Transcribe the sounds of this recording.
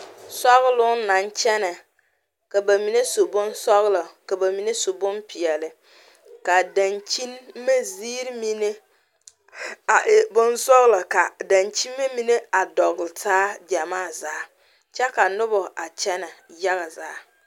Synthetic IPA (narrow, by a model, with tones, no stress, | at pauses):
sɔ˦ɣlʊ˦na˨nt͡ʃɛ˦nɛ˨ | ka˨ba˨mi˨ne˦so˨bʊ˦nsɔ˦ɣla˨ka˨ba˨mi˨ne˦so˨bʊ˦npi˨ɛ˨lɪ˨ | ka˨da˨nt͡ʃi˦nmːe˦ziː˦ɾmi˦ne˦˨ | bʊ˦nsɔ˦ɣla˨ka˨da˨nt͡ʃi˦mme˦mi˨ne˦a˨dɔ˨ɣɪ˨lɪ˨taː˦d͡ʒa˨maː˦˨zaː˦ | t͡ʃɛ˦ka˨nʊ˦bɔ˨ʔa˨t͡ʃɛ˦nɛ˨ja˦ɣa˨zaː˨˦